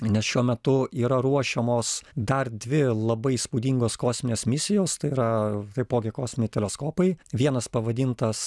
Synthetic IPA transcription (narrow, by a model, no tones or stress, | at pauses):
nʲɛsʃʲuɔmʲɛt̪ʊiːɾɐɾuɔʃʲɛmoːsd̪ɐrd̪ʲʋʲɪlˠɐbɐɪspuːd̪ʲiŋɡoːskoːsʲmʲɪnʲeːsmʲɪsʲɪjoːst̪ɐɪiːɾɐt̪ɐɪpoːɡʲɪkoːsʲmʲɪnʲɪt̪ʲɛlʲɛskoːpɐɪʋʲiɛnɐspɐʋɐd̪ʲint̪ɐs